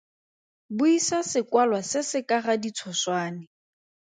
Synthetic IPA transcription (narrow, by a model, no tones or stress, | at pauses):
bʊisasɪkwalwasɪsɪkʼaχadit͡sʰɔswaːnɪ